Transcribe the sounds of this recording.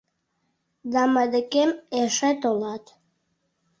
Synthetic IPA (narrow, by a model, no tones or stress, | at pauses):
d̪ɑməd̪əkemeʃet̪olɑt̪